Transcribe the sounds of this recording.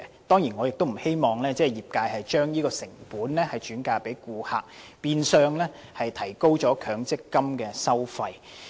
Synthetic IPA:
t̪ɔː˥ŋjiː˨˩nŋɔː˨˧jɪ˨k̚t̪o˥wm̩˨˩he˥jmɔː˨˩ŋlɛː˥t͡sɛː˥˩jiː˨˩p̚kaː˧jhɐ˨jt͡ʃœː˥ŋjiː˥kɔː˧sɪ˨˩ŋpuː˨˥nlɛː˥hɐ˨jt͡ʃyː˨˥nkaː˧pe˨˥jkuː˨˧haː˨k̚piː˨˧nsœː˨˧ŋlɛː˥ | hɐ˨jt̪ʰɐ˨˩jko˥wt͡sɔː˨˥kʰœː˨˧ŋt͡sɪ˥kːɐ˥mkɛː˧sɐ˥wfɐ˧j

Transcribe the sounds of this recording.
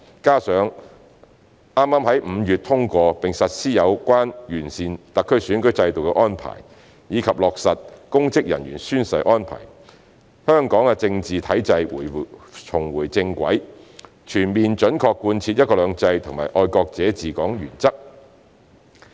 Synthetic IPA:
kaː˥sœː˨˥ŋ | ʔaː˥mːaː˥mɦɐ˨˥jm̩˨˧jyː˨t̚t̪ʰʊ˥ŋkʷɔː˧pɪ˨ŋsɐ˨t̚siː˥jɐ˨˧wkʷaː˥njyː˨˩nsiː˨nt̪ɐ˨kʰːɵ˥syː˨˥nkɵ˨˥ɥt͡sɐ˧jt̪o˨wkɛ˧ʔɔː˥npʰa̰ː˨˩j | jiː˨˧kʰɐ˨p̚lɔː˨k̚sɐ˨t̚kʊ˥ŋt͡sɪ˥k̚jɐ̰˨˩nɥyː˨˩nsyː˥nsɐ˧jʔɔː˥npʰa̰ː˨˩j | hœː˥ŋkɔː˨˥ŋɛ˧t͡sɪ˧ŋt͡siː˨˩t̪ʰɐ˨˥jt͡sɐ˧jt͡ʃʰʊ˨˩ŋwuː˨˩jt͡sɪ˧ŋkʷɐ̰˨˥j | t͡ʃʰyː˨˩nmiː˨nt͡ʃɵ˨˥nkʰɔː˧kːuː˧nt͡sʰi˧t̚jɐ˥kɔː˧lœː˨˧ŋt͡sɐ˧jt̪ʰʊ˨˩ŋma̰ː˨˩ʔɔː˧jkɔː˧k̚t͡sɛː˨˥t͡siː˨kɔː˨˥ŋjy̰ː˨˩nt͡sɐ˥k̚

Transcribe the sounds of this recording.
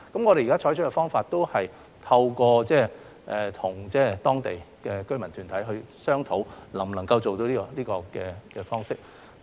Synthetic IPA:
kɐ˨˥mŋɔː˨˧ɾe˨jːka˥t͡ʃʰɔː˨˥jt͡ʃʰɵ˥kɛ˧fɔː˥ŋfaː˧t̚t̪o˥whɐ˨j | t̪ʰɐ˧wkɔː˧t͡sɛː˥ | ʔɛː˨t̪ʰʊ˨˩ŋt͡sɛː˥˩t̪ɔː˥ŋt̪e˨˩jkɛː˧kɵ˥ɥmɐ˨nt̪ʰyː˨˩nt̪ʰɐ˨˥jɦɵ˧ɥsœː˥ŋt̪ʰo˨˥wlɐ˨˩ŋ˨nɐ˨˩ŋkɐ˧wt͡so˨wt̪o˧wliː˥kɔ˧liː˥kɔː˧kɛː˧kɛː˧fɔː˥ŋsɪ˥k̚

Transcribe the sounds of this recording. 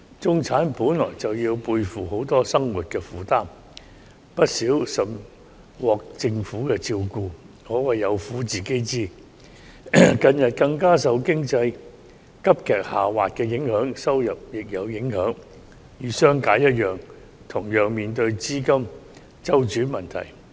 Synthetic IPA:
t͡sʊ˥ŋt͡sʰaː˨˥npuː˨˥nlɔː˨˩jt͡sɐ˨wjiː˧wpuː˧jfuː˨ho˨˥wt̪ɔː˥sɐ˥ŋwuː˨t̚kɛː˧fuː˨t̪aː˥m | pɐ˥t̚siː˨˥wsɐ˨˩m | wɔː˨k̚t͡sɪ˧ŋfuː˨˥kɛː˧t͡siː˧wkuː˧ | ŋɔː˨˧wɐ˨˩jɐ˨˧wfuː˨˥t͡siː˨˩ke˥jt͡siː˥˩ | kɐ˧njɐ˨t̚kɐ˧ŋkaː˥s̬ɐ˨˧wkɪ˥ŋt͡sɐ˧j | kɐ˥p̚kʰɛː˨k̚haː˨waː˨t̚kɛː˧jɪ˨˥ŋhœː˨˥ŋsɐ˥wjɐ˨p̚jɪ˨k̚jɐ˨˧wjɪ˨˥ŋhœː˨˥ŋ | jyː˨˧sœː˥ŋkaː˨˥jɐ˥t̚jœː˨˩ŋ | t̪ʰʊ˨˩ŋjœː˨ŋmiː˨nt̪ɵ˧ɥt͡siː˥kɐ˥m | t͡sɐ˥wt͡ʃyː˨˥mɐ˨˩nt̪ʰɐ̰˨˩j

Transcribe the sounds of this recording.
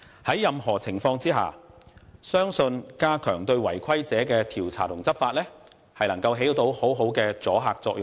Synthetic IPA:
hɐ˨˥jːɐ˨mɦɔː˨˩t͡sʰɪ˨˩ŋfɔː˧ŋt͡siː˥ɦa̰ː˨˩ | sœː˥ŋsɵ˧nkaː˥kʰœː˨˩ŋt̪ɵ˧ɥwɐ˨˩jkʰɐ˥jt͡sɛː˨˥kɛː˧t̪ʰiː˨˩wt͡sʰa̰ː˨˩t̪ʊ˨˩ŋt͡sɐ˥p̚faː˧t̚lɛː˥ | hɐ˨jlɐ˨˩ŋkɐ˧wɦe˨˥jt̪o˨˧who˨˥wɦo˨˥wkɛː˧t͡sɔː˨˥ɦaː˧k̚t͡sɔː˧k̚jʊ˨ŋ

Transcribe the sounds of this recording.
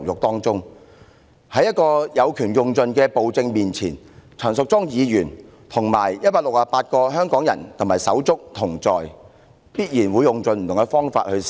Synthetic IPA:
jʊ˨k̚t̪ɔː˥ŋt͡sʊ˥ŋ | hɐ˨˥jɐ˥t̚kɔː˧jɐ˨˧wkʰyː˨˩njʊ˨ŋt͡sɵ˧nkɛː˧po˨wt͡sɪ˧ŋmiː˨nt͡sʰḭː˨˩n | t͡sʰœː˨˩nsʊ˨k̚t͡sʊ˥ŋjiː˨˧jyː˨˩n | t̪ʰʊ˨˩ŋma̰ː˨˩jjɐ˥t̚paː˧t̚lʊ˨k̚laː˨˧paː˧t̚kɔː˧ɦœː˥ŋkɔː˨˥ŋjɐ˨˩nt̪ʰʊ˨˩ŋmaː˨˩jsɐ˨˥wt͡sʊ˥k̚t̪ʰʊ˨˩ŋt͡sɔː˨j | piː˥t̚jiː˨˩nwuː˨˧jʊ˨ŋt͡sɵ˧nm̩˨t̪ʊ˨˩ŋkɛ˧fɔː˥ŋfa̰ː˧t̚hɵ˧

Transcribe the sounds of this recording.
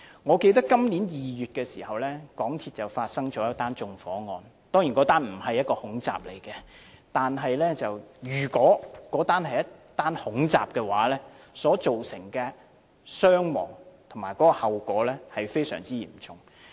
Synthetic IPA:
ŋɔː˨˧ke˧jt̪̬ɐ˥kkːɐ˥mniː˨˥njiː˨jyː˨t̚kɛː˧siː˨˩hɐ˨wlɛː˥kɔː˨˥ŋt̪ʰiː˧t̚t͡sɐ˨wfaː˧t̚sɐ˥ŋt͡ʃɔː˨˥jɐ˥t̚t̪aː˥nt͡sʊ˨˧ŋfɔː˨˥ŋɔː˨˧n | t̪ɔː˥ŋji˨nkɔː˨˥t̪aː˥nm̩˨˩hɐ˨jːɐ˥t̚kɔː˧hʊ˨˥ŋt͡sa̰ː˨p̚lḛ˨˩jkɛ˧t̪aː˨nɦɐ˨jlɛː˥t͡sɐ˨wjyː˨˩kɔː˨˥kɔː˨˥t̪aː˥nhɐ˨jɐ˥tt̪aː˥nhʊ˨˥ŋt͡sa̰ː˨p̚kɛː˧wa̰ː˨˥lɛː˥ | sɔː˨˥t͡so˨wsɪ˨˩ŋkɛː˧ | sœː˥ŋmɔ̰ː˨˩ŋt̪ʰʊ˨˩maː˨˩jkɔː˨˦˥kɔ˧hɐ˨wkʷɔː˨˥lɛː˥hɐ˨jfe˥jsœ̰ː˨˩ŋt͡siː˥jḭː˨˩m˨˩t͡sʰʊ˨ŋ

